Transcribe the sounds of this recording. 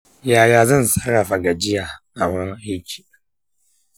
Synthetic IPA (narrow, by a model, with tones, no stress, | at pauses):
jaː˨jaː˨zɐ˦˨nsɐ˦ɽa˨ɸa˨ɡa˨d͡ʒɪ˦jaː˨ʔa˨ma˦ŋ˦hɪ˦kʲʰi̥ː˨